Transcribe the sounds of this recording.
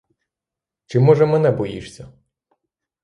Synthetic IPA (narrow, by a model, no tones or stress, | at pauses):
t͡ʃɪmɔʒɛmɛnɛbɔjḭʃsʲɐ